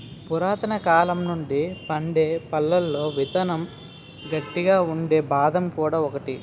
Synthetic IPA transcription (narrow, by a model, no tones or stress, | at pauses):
puɾaːt̪ɐnɐkaːlɐmnuɳɖipɐɳɖeːpɐlːɐlːo̞ːʋit̪ɐnɐm | ɡɐʈːiɡaːuɳɖe̞ːbaːd̪ɐmkuːɽaːɔkɐʈi